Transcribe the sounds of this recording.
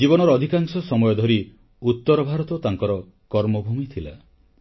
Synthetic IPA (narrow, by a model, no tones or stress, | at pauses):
d͡ʒibɔnɔɾɔːd̪ʱikaŋsɔsɔmɔjɔd̪ʱɔɾi | ut̪ːɔɾɔbʱaɾɔt̪ɔt̪aŋkɔɾɔ | kɔɾmɔbʱumit̪ʰila̰